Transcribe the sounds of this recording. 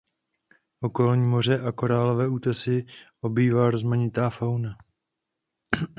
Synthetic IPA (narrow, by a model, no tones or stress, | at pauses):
ʔo̞ko̞lɲiːmo̞r̝ɛʔako̞ɾaːlo̞vɛːuːt̪ɛsɪʔo̞biːvaːɾo̞zmaɲɪt̪aːfawna